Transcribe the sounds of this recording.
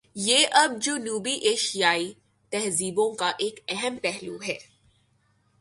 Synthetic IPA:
jeːʔɐb̚d͡ʒoːnuːbiʔeːʃijaːi | t̪ɛɦziːbõkaʔeːkɛɦəmpɛɦluɦɛː

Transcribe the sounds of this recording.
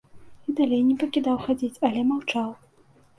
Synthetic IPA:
id̪alʲejnʲɛpɐkʲid̪awxad͡zʲit͡sʲɐlʲɛmawt͡ʂaw

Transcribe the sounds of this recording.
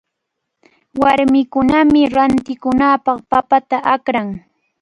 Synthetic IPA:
waɾmɪkʊnamɪɾant̪ɪkʊnaːpɑχpapat̪aʔakɾaŋ

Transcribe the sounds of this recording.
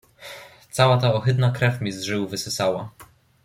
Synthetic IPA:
t̪sawat̪aɔxɘd̪nakɾɛfmʲizʐɘwvɘsɘsawa

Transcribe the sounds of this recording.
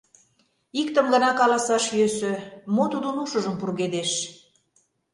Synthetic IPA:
ikt̪ə̆mɡə̆nɑkɑlɑsɑʃjøsømot̪ud̪onuʃə̆ʒəmpurɣed̪eʃ

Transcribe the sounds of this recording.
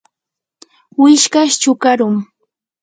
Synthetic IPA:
wɪʃkaʃt͡ʃʊkaɾʊŋ

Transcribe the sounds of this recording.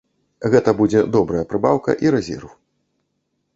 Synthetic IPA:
ɣɛt̪ɐbud͡zʲɛd̪ɔbɾɐjɐpɾɨbawkɐ̰ʔiɾɛzʲɛ̰rw

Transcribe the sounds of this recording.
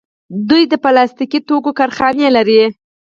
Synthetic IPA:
d̪ujd̪əpalɑst̪ikit̪okokaɾxɑnelaɾi

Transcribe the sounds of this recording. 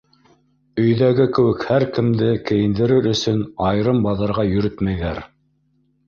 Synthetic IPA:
ɵ̆jðæɡɘkɘ̆wɘkhæɾkɘ̆md̪ɘkɘ̆jɘ̆nd̪ɘ̆ɾɘɾɵ̆sɵnɑjɾɤmbɑðɤ̆ɾʁɑjɵ̆ɾɘt̪mæjðæɾ

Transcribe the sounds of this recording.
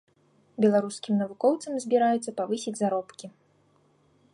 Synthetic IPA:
bʲɛlˠaɾuskʲimnɐvukɔwt̪sɐmzʲbʲiɾajut̪sːɐpavɨsʲid͡zʲzaɾɔpkʲi

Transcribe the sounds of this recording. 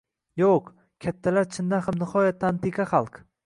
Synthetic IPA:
joq | kʲʰat̪ʰːalaɾt͡ʃʰɪnd̪anhamnɪhɒjat̪ʰːant̪ʰiqʰɑχɑlˠq

